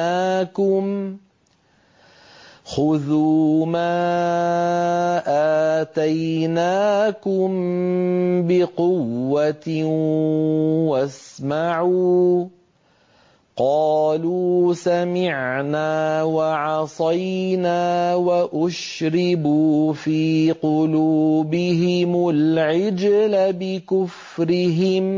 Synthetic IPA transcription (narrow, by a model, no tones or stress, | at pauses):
aaːkʊm | xʊðuːmaː | ʔaːt̪ajnaːkʊm | bɪqʊwːat̪ | wasmaʕuː | qɑːluːsamɪʕnaːwaʕɑsˤɑjnaːwaʔʊʃ | ɾɪbuːfiːqʊluːbɪɦɪmʊlʕɪd͡ʒlabɪkʊf | ɾɪɦɪm